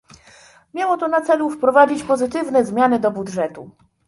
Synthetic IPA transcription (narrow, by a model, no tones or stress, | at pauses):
mʲjawɔt̪ɔnat̪sɛlufpɾɔvad͡ʑit͡ɕpɔzɘt̪ɘvnɛzmʲjanɘd̪ɔbudʐɛt̪u